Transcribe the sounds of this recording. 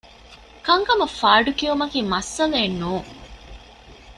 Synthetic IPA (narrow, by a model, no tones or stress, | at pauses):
kɐŋkɐmɐfaːɖukiumɐkiːmɐsːɐleːnːuːŋ